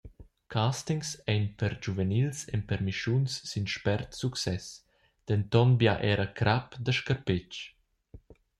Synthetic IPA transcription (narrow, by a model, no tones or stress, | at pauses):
kʰastiŋsɛjnpəɾd͡ʒuvənilsɛ̰mpɛɾmiʃunsːinʃpɛɾt̪suksɛs | d̪̥ɛnt̪ɔnbjaʔɛːɾəkɾapd̪əʃkəɾpɪt͡ʃ